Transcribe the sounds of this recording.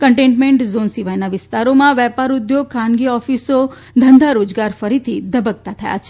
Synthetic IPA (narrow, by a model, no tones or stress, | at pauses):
kəɳʈẽɳʈmẽɳʈzonsiʋajnaʋɪst̪aɾomãʋɛpaɾud̪joɡ̚kʰãnɡiɔfiso | d̪ʱənd̪ʱaɾod͡ʒɡaɾfəɾit̪ʰid̪əbək̚t̪at̪ʰəja̰t͡ʃʰe